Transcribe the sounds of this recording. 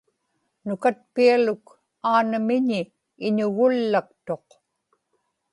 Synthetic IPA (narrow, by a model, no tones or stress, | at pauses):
nʊkat̪̚pialʊk | aːnəmɪɲiː | ɲʊɣʊlːak̚t̪o̞q